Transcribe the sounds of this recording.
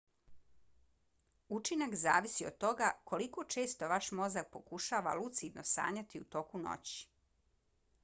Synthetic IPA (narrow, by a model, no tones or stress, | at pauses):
ut͡ʃinakzaːʋisiod̪̚t̪o̞ɡakʰo̞liko̞t͡ʃe̞ːst̪o̞ʋaʃmo̞zak̚po̞kuʃaːʋa̰lˠut̪sid̪nʔo̰sa̰ːɲat̪iut̪o̞kuno̰t͡ɕi̥